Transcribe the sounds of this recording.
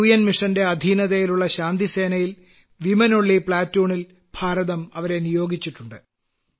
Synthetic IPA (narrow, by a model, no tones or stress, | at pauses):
ujɐnmiʂɐnde̞ɐd̪ʱiːnɐðejiluɭːɐɕaːnd̪ise̞ːnɐjil | ʋimɐnoɭːipɭaːtːoːɳil | b̥ʱaːɾɐðɐmɐʋɐɾe̞nijo̞ːɡʱit͡ɕːiʈːuɳɖɨ